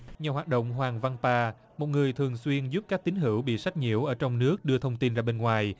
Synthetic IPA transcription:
ɲaː˨˩ɦwaː˨˩t̚ɗo̰˧˨wŋ͡mɦwaː˨˩ŋva˧npaː˧ | mo˨˩t̚ŋɨ˨˩əjt̪ʰɨ˨˩əŋswi˧ənzu˦˥p̚kaː˦˥k̚t̪ï˨˦ŋ̟ɦḭ˧˩əwɓḭ˧˨sa˦˥jk̟̚ɲḭ˧˩əwʔəː˧˩t͡ɕɔ˧wŋ͡mnɨ˦˥ək̚ɗɨ˧ət̪ʰə˧wŋ͡mt̪i˧nzaː˧ɓe˧nŋwaː˨˩j

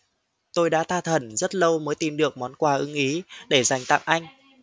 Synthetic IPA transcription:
t̪o˧jɗa̰ː˧˥t̪ʰaː˧t̪ʰə˧˩nzə˦˥t̚lə˧wməː˨˦jt̪i˨˩mɗɨ˨˩ək̚mɔ˨˦nkwaː˧˩ʔɨ˨˦ŋʔi˨˦ɗe˧˩za˨˩jŋ̟t̪a̰˧˨ŋʔa˧jŋ̟

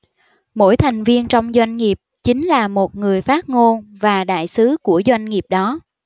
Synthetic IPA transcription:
mo̰˧˥jt̪ʰa˨˩jŋ̟vi˧ənt͡ɕɔ˧wŋ͡mzwa˧jŋ̟ŋi˨˩əp̚t͡ɕï˨˦ŋ̟laː˨˩mo˨˩t̚ŋɨ˨˩əjfaː˦˥t̚ŋo˧nvaː˨˩ɗa̰ː˧˨jsɨ˨˦ku˧˩əzwa˧jŋ̟ŋi˨˩əp̚ɗɔ˨˦

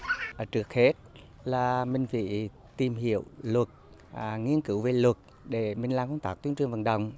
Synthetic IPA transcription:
ʔəː˧˩t͡ɕɨ˨˩ək̚he˦˥t̚ | laː˨˩mï˨˩ŋ̟vḭ˧˨ | t̪i˨˩mɦḭ˧˨əwlwə˨˩t̚ | ŋi˧ənkɨ˧˩wve˨˩lwə˨˩t̚ | ɗe˧˩mï˨˩ŋ̟laː˨˧˩ŋkə˧wŋ͡mt̪aː˦˥k̚t̪i˧˦ənt͡ɕwɨ˨˩əŋvə̰˧˨nɗə̰˧˨wŋ͡m

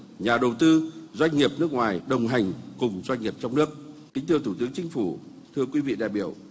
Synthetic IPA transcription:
ɲaː˨˩ɗə˨˩wt̪ɨ˧zwa˧jŋ̟ŋi˨˩əp̚nɨ˦˥ək̚ŋwaː˨˩jɗə˨˩wŋ͡mɦa˨˩jŋ̟kʊ˨˩ŋ͡mzwa˧jŋ̟ŋi˨˩əp̚t͡ɕɔ˧wŋ͡mnɨ˦˥ək̚kï˨˦ŋ̟t̪ʰəwt̪ʰu˧˩t̪ɨ˨˦əŋt͡ɕï˨˦ŋ̟fu˧˩ | t̪ʰɨ˧əkwi˨˦vḭ˧˨ɗa̰ː˨jɓi˧˩əw

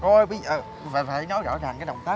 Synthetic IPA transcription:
kɔ˧˩jɓi˨˦˨ʔə˨˩ | faː˨˩faː˨˩˦jnɔ˨˦jzɔ̰ː˧˩zaː˨˩ŋkaː˨˦jɗə̰˨˩wŋ͡mt̪aː˦˥

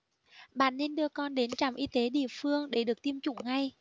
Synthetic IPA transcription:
ɓa̰ː˧˨nːe˧nɗɨ˧əkɔ˧nɗe˨˦nt͡ɕa˧˩mʔi˧t̪e˨˦ɗḭ˧˨əfɨ˧əŋɗe˧˩ɗɨ˨˩ək̚t̪i˧əmt͡ɕʊ̰˧˨ŋ͡mŋa˧j

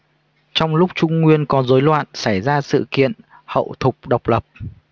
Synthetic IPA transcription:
t͡ɕɔ˧wŋ͡mlʊ˦˥k͡p̚t͡ɕʊ˧ŋ͡mːwi˧ənkɔ˨˦zo˨˦jlwa̰ː˧˨nsa˧˩jzaː˧sɨ̰˧˨kḭ˧˨ən | hə̰˧˨wt̪ʰʊ˨˩k͡p̚ɗə˨˩wk͡p̚lə˨˩p̚

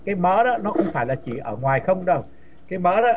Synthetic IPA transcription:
kaː˨˦jməː˨˦˥ɗɔː˨˦˥nɔ˨˦xə˧wŋ͡mfaː˧˩jlaː˨˩t͡ɕḭ˧˩ʔəː˧˩ŋwaː˨˩jxə˧wŋ͡mɗə˧˩w | kaː˨˦jməː˨˥ɗɔ˨˦

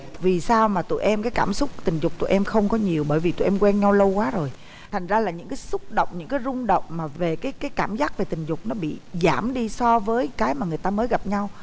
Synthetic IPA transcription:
vi˨˩saː˧wmaː˨˩t̪ṵ˧˨ʔɛ˧mkaː˨˦jkaː˧˩msʊ˦˥k͡p̚t̪ï˨˩ŋ̟zʊ˨˩k͡p̚t̪ṵ˧˨ʔɛ˧mxə˧wŋ͡mkɔ˨˦ɲi˨˩əwɓəː˧˩jvi˨˩t̪ṵ˧˩˨ʔɛ˧mkwɛ˧nɲa˧wlə˧wkwaː˨˦zo˨˩j | t̪ʰa˨˩ŋ̟zaː˧laː˨˩ɲɨ̰˧˥ŋkaː˨˦jsʊ˦˥k͡p̚ɗə̰˧˨wŋ͡mɲɨ̰˧˥ŋkaː˨˦jzʊ˧ŋ͡mɗə̰˧˨wŋ͡mmaː˨˩ve˨˩kaː˨˦jkaː˨˦jkaː˧˩mzaː˦˥k̚ve˨˩t̪ï˨˩ŋ̟zʊ˨˩k͡p̚nɔ˨˦ɓḭ˧˨zaː˧˩mɗi˧sɔ˧vəː˨˦jkaː˨˦jmaː˨˩ŋɨ˨˩əjt̪aː˧məː˨˦jɣa˨˩p̚ɲa˧w

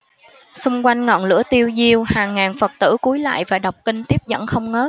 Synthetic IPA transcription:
sʊ˧ŋ͡mkwa˧jŋ̟ŋɔ̰˧˨nlɨ̰˧˥ət̪i˧əwzi˧əwhaː˨˩ŋːaː˨˩nfə˨˩t̚t̪ɨ̰˧˩ku˨˦jla̰ː˧˨jvaː˨˩ɗa˨˩wk͡p̚kï˧ŋ̟t̪i˦˥əp̚zə̰˧˩nxə˧wŋ͡mŋəː˦˥t̚

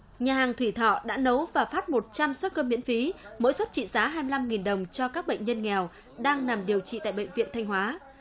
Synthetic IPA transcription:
ɲaː˨˩haː˨˩ŋt̪ʰwi˧˩t̪ʰɔ̰˧˨ɗa̰ː˧˥nə˨˦wvaː˨˩faː˦˥t̚mo˨˩t̚t͡ɕa˧mswt̚kəː˧mḭ˧˥ənfi˨˦mo̰ː˧˥jswə˦˥t̚t͡ɕḭ˧˨zaː˨˦ɦaː˧jmɨ˧la˧mŋi˨˩nɗə˨˩wŋ͡mt͡ɕɔ˧kaː˦˥k̚ɓə̰˧˨ŋ̟ɲə˧nŋɛ˨˩w | ɗaː˧ŋna˨˩mɗi˨˩əwt͡ɕḭ˧˨t̪a̰ː˧˨jɓə̰˧˨ŋ̟vḭ˧˨ənt̪ʰa˧jŋ̟hɦwaː˨˦

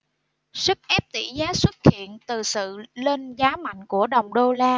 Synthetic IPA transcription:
swɨ˦˥k̚ʔɛ˦˥p̚t̪ḭ˧˩zaː˨˦swə˦˥t̚hḭ˧˨ənt̪ɨ˨˩sɨ̰˧˨le˧nzaː˨˦ma̰˧˨jŋ̟ku˧˩əɗə˨˩wŋ͡mɗo˧laː˧

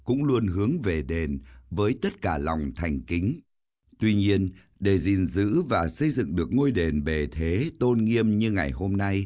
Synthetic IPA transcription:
kʊ̰˧˥ŋ͡mlu˧ənɦɨ˨˦əŋve˨˩ɗe˨˩nvəː˨˦jt̪ə˦˥t̚kaː˧˩la˨˩wŋ͡mt̪ʰa˨˩jŋ̟ki˨˦ŋ̟ | t̪wi˧ɲi˧ən | ɗe˧˩zi˨˩nzɨ̰˧˥vaː˨˩sə˧jzɨ̰˧˨ŋɗɨ˨˩ək̚ŋo˧jɗe˨˩nɓe˨˩t̪ʰe˨˦t̪o˧nŋi˧əmɲɨ˧ŋa˨˩jho˧mna˧j

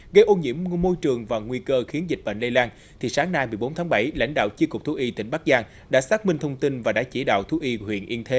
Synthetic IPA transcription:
ɣə˧jʔo˧nɲḭ˧˥əmːo˧jt͡ɕɨ˨˩əŋvaː˨˩ŋwi˧kəː˧xi˨˦ənzi˨˩t̟̚ɓə̰˧˨nlə˧laː˧n | t̪ʰi˨˩saː˨˦ŋnaː˧jmɨ˨˩əjɓo˨˦nt̪ʰaː˨˦ŋɓa˧˩jla̰˧˥jŋ̟ɗa̰ː˧˨wt͡ɕi˧əkʊ˨˩k͡p̚t̪ʰu˨˦ʔi˧t̪ḭ̈˧˩ŋ̟ɓa˦˥k̚zaː˧ŋ | ɗa̰ː˧˥saː˦˥k̚mï˧ŋt̪ʰə˧wŋ͡mt̪i˧nvaː˨˩ɗa̰ː˧˥t͡ɕi˧˩ɗa̰ː˧˨wt̪ʰu˧˨˦ʔi˧hwḭ˧˨ənʔi˧nt̪ʰe˨˦

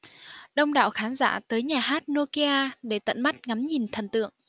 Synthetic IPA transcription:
ɗə˧wŋ͡mɗa̰ː˧˨wxaː˨˦nza̰ː˧˩t̪əː˨˦jɲaː˨˩ɦaː˦˥t̚no˧ki˧ʔaː˧ɗe˧˩t̪ə̰˧˨nma˦˥t̚ŋa˨˦mɲi˨˩nt̪ʰə˨˩nt̪ɨ̰˧˨əŋ

